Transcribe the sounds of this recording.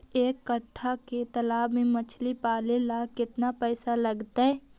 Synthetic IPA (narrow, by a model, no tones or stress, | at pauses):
eːkːəʈʰːaket̪ɐlaːbmẽmɐt͡ʃʰlipaːlelakɪt̪napɛːsaləɡt̪aɦɛː